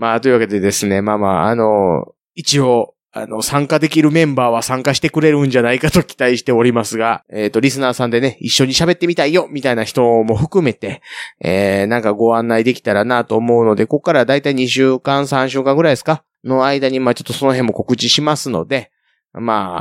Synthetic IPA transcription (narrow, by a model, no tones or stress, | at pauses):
maːt̪o̞iɯ̟βake̞d̪e̞d̪e̞sɨne̞maːma̰ːa̰no̞ | it͡ɕio̞ | a̰no̞sãŋkad̪e̞kʲiɾɯ̟mẽ̞mbaːβasãŋkaɕi̥t̪e̞kɯ̟ɾe̞ɾɯ̟̃ɲ̟d͡ʑanaikat̪o̞kʲi̥t̪aiɕi̥t̪e̞o̞ɾʲimasɨɡaeːt̪ːo̞ɾʲisɨnaːsãnd̪e̞neiɕːo̞ɲ̟iɕabe̞t̪ːe̞mʲit̪aijo̞mʲit̪ainaçi̥t̪o̞mo̞ɸɯ̟kɯ̟me̞t̪e̞enãŋkaɡo̞ãnːaid̪e̞kʲi̥t̪aɾanat̪o̞ːmo̞ɯno̞d̪e̞ko̞kːaɾad̪ait̪aiɲ̟iɕɨːkãɰ̃sãɕ̬ɨːkãŋɡɯɾaid̪e̞sɨ̥ka | no̞aid̪aɲ̟imaːt͡ɕot̪ːoso̞no̞ɦẽ̞mːo̞ko̞kɯ̟t͡ɕiɕimasɨno̞̰d̪e̞ | ma̰ː